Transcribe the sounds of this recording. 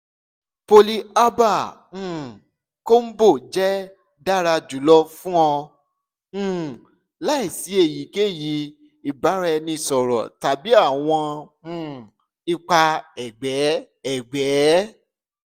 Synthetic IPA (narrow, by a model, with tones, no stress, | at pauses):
po˧li˧a˦bã˦˨ | ko˦m̩˦bo˦˨d͡ʒɛ˦ | da˦ɾa˧d͡ʒu˨˦lɔ˧fũ˦ɔ̃˧˦˨ | la˦i˦˨si˨˦e˦˨ji˨˦ke˦˨ji˨˦ | i˨ba˨˦ɾɛ˧nĩ˧sɔ˨ɾɔ̰˨ta˨bi˨˦a˦˨w̃ɔ̃˧ũ˦˨ | i˧k͡pa˧ɛ˨ɡ͡bɛ˨˦ | ɛ˦˨ɡ͡bɛ˨˦